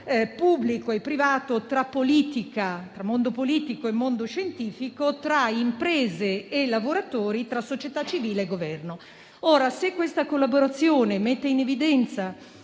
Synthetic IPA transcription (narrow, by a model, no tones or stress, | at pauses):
pubːlikoepːɾivaːt̪ot̪ɾapːoliːt̪ikat̪ɾamːond̪opoliːt̪ikoemːond̪oʃent̪iːfikot̪ɾaimpɾɛːzeːlavoɾat̪oːɾit̪ɾasːot͡ʃet̪at͡ʃːiviːleeɡovɛrno | oːɾasekːwest̪akolːaboɾat̪sːjoːnemet̪ːeinevid̪ɛnt̪sa